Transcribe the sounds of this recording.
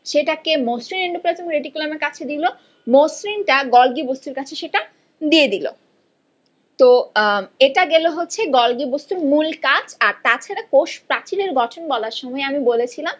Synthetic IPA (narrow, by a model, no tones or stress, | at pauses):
ʃeʈakemosɾineɳɖopɾad͡ʑomɾeɖikulameɾkat͡ɕʰed̪ilo | mosɾinʈaɡɔlɡibost̪uɾkat͡ɕʰeʃeʈa | d̪ied̪ilo̰ | t̪o | eʈaɡeloɦotːɕʰeɡɔlɡibost̪uɾmulkad͡ʑaɾt̪at͡ɕʰaɾakoʃpɾat͡ɕileɾɡɔʈʰonbɔlaɾʃɔmɔeamibolet͡ɕʰilam